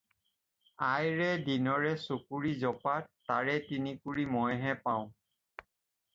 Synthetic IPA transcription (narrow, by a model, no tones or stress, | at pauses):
ajɹɛdinɔɹɛsukuɹizɔpattːaɹɛtinikuɹimɔjɦɛpaʊ̃